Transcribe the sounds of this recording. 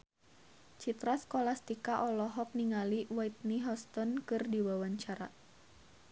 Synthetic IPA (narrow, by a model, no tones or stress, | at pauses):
t͡ʃit̪ɾaskolast̪ikaʔɔlɔɦɔk̚niŋaliwait̪̚niɦɔst̪ɔnkɨrdiwawaɲt͡ʃaɾa̰